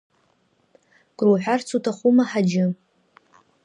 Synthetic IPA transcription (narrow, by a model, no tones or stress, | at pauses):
ɡ̥ruħʷᶣart͡sʰutʰaχʷumaħad͡ʒɪ